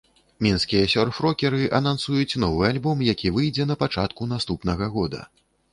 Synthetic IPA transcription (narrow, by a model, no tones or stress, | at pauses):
mʲinskʲijɐsʲɔrfɾɔkʲɛɾɨʔɐnansujut͡sʲnɔvɨalʲbɔmjakʲʰivɨjd͡zʲɛnɐpat͡ʂat̪kunast̪upnɐɣɐɣɔd̪ɐ̰